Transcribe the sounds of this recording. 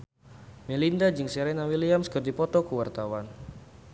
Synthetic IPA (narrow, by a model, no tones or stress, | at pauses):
melindad͡ʒɨŋsɛɾɛnawiliamskərdipɔt̪ɔkəwart̪awan